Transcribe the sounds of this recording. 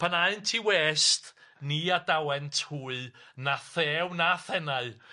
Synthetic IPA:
pʰanaɨntʰiweːst | niadawɛntʰhuːɨnaθɛːwnaθɛnaɨ

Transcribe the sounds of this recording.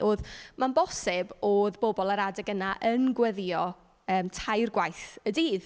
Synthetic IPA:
ʔoːðmanbɔsɪboːðbobɔlˠaɾadɛɡənaʔənɡwəðjɔ | əːmtʰajrɡwajθədiːð

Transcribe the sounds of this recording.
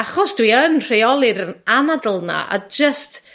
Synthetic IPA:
aχɔsd̥wiənr̥ejɔlˠɪɾənanadəlˠna̰ʔa̰d͡ʒəst

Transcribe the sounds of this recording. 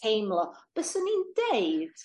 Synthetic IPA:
ejmlˠɔb̥əsənindeɨd̥

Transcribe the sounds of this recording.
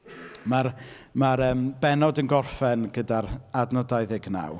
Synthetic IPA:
mar | maɾəːmbɛnɔdənɡɔrfɛnɡədaɾadnɔdajðɪɡna̰w

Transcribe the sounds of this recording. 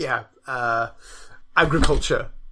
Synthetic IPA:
jæ | ʌ | æɡɹɪkʰʌlˠt͡ʃə̰

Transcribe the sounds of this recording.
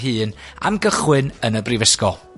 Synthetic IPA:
ɦɨːna̰mɡəχwɪnənəbrivɪskɔ

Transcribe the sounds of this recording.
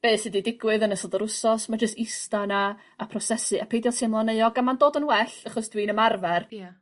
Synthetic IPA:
b̥eːsɪdidɪɡwɨðənəsɔlˠdəɾʊsɔsmad͡ʒəstɪstanaː | pʰrɔsɛsɨapʰejdjɔlˠsʰimlˠɔneɨɔɡamandoːdənwɛɬaχɔsd̥wiːnəmarvɛr

